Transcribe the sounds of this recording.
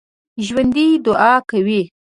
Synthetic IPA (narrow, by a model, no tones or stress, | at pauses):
ʒwand̪id̪ʊʔɑkawi